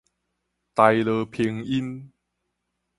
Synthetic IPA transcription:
t̪a˧jlə˧pʰi˧ŋi˦n

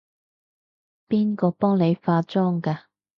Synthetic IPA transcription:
piː˥nkɔː˧pɔː˥ŋne˨˧jfaː˧t͡sɔː˥ŋkaː˧

